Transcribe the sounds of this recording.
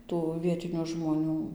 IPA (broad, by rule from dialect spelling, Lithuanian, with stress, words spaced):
ˈtuː ˈʋʲiɛtʲɪnʲʊ ʒmoːˈnʲuː